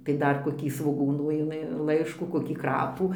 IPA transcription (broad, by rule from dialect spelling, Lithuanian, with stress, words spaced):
tɐɪ ˈdɐr koːˈkʲiː sʋoːˈɡuːnuː ɪˈmʲɪ ˈlˠɐɪʃkuː koːˈkʲiː ˈkrɑːpuː